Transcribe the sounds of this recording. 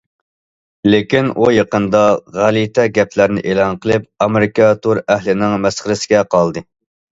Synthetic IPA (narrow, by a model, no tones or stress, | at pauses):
lekʲinʔujeqənd̪ɑʁælit̪ʰɛɡʲɛpʰlæɾnɪ̰ʔeːlˠɑnqəlˠɨp̚ɑmeɾɪkɑt̪ʰuɾæɦlɪnɪŋmɛsχəɾɪsɪɡʲɛqʰɑlˠd̪ɨ